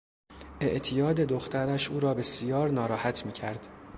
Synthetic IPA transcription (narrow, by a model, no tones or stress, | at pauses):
ʔe̞ʔt̪ʰijɒːd̪e̞d̪oxt̪æɾæʃʔuːɾɒːbe̞sijɒːɾnɒːɾɒːhæt̪ʰmiːcʰæɾd̪̥